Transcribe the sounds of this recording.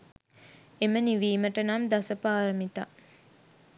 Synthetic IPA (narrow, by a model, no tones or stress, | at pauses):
eməniʋiːməʈənamd̪asəpaːɾəmit̪a